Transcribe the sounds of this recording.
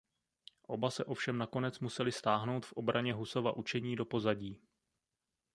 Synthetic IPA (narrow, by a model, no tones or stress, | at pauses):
ʔo̞basɛʔo̞fʃɛmnako̞nɛt͡smusɛlɪst̪aːɦno̞wt̪fʔo̞bɾaɲɛɦuso̞va̰ʔut͡ʃɛɲiːdo̞po̞zaɟiː